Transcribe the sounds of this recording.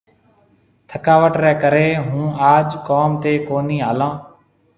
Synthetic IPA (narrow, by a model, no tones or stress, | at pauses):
t̪ʰəkaːʋəʈɾɛːkəɾeːɦũːaːd͡ʒkoːmt̪eːkoːniːɦaːlãː